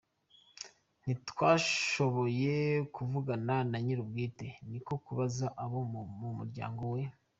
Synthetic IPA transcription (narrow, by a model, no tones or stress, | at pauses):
nitwaːʃo̞βo̞je̞kuvuɡananaɲiɾub̚ɡiːte̞niko̞kuβazaʔaβomumuɾɟa̰ːŋɡo̞we̞